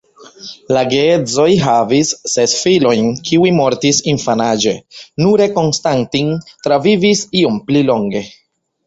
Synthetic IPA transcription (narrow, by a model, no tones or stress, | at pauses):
laɡeezo̞jɦavisːe̞sfilo̞jnkʰiuimo̞ɾtisinfanad͡ʒe̞nuɾe̞ko̞nstantiŋtɾavivisio̞mplilo̞ŋɡe̞